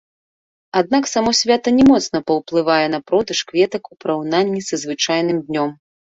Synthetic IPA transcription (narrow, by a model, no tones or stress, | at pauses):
ad̪̚naksamɔsʲvʲat̪ɐnʲɛmɔt̪sn̪ɐpɐwplˠɨvajɛnɐpɾɔd̪ɐʂkvʲɛt̪ɐkupɐɾawnanʲːisɐzvɨt͡ʂajnɨmd̪ʲnʲɔm